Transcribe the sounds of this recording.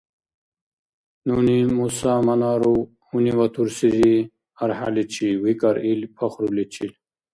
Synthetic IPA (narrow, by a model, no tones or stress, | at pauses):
nunimusaːmɐnaːɾu | huniwat̪ʰuɾsizi | ɐɾha̰lit͡ɕʰiwikaɾilpʰaxɾulit͡ɕʰil